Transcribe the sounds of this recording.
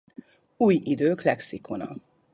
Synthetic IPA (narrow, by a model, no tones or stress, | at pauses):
uːjid̪øːklɛksikonɒ̰